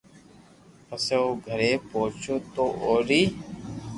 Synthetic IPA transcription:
əseoːɡʱəɾeːpoːt͡ʃoːt̪oːʔoːɾiː

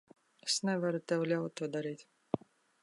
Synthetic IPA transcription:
esnɛvaɾut̪ʲɛwlʲawt̪ːuɔd̪aɾiːt̪ʲ

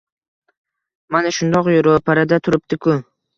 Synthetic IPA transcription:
manaʃʊnd̪ɒqjoɾopʰaɾad̪at̪ʰʊɾɪp̚t̪ɪkʰʊ

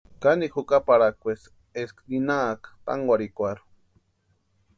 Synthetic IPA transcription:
kanixukapaɾakʷwes | eskninaːkḁt̪a̰ŋɡwaɾikʷaɾu̥

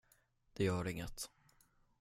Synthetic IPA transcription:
d̪̥ɛjœːɾɪŋːət̪

